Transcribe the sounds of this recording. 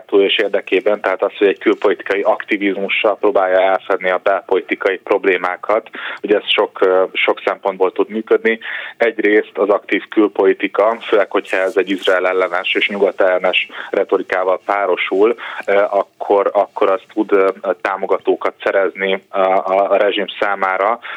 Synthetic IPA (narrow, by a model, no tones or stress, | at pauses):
t̪uːjeːʃeːrd̪ɛkeːbɛnt̪ɛɦaːt̪ɒsho̞ɟɛɟkylpo̞lit̪i̥kɒjiʔɒkt̪ivizmuʃːɒlproːbaːjɒɛlfɛd̪nːiɒbɛlpo̞lit̪ikɒjipro̞bleːmaːkʰɒt̪ho̞ɟɛsʃo̞kʃo̞ksɛmpo̞nd̪̚boːlt̪ud̪myːkød̪niɛɟreːst̪ɒzɒkt̪iːfkylpo̞lit̪ikɒføːlɛkho̞chɒɛzɛɟːizraɛlɛlːɛnɛʃeːʃɲuɡɒt̪ɛlːɛnɛʃrʔɛt̪o̞ɾikaːvɒlpaːɾo̞ʃulʔɒkʰːo̞ɾɒkːo̞ɾɒst̪ʰud̪t̪aːmo̞ɡɒt̪oːkɒt̪sɛɾɛzni | ɾɛʒimsaːmaːɾɒ